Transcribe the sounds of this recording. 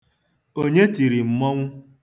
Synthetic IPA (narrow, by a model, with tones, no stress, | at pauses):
o˦ɲe˦ti˨ɾi˨m̩˦mɔ˦ŋʷʊ˦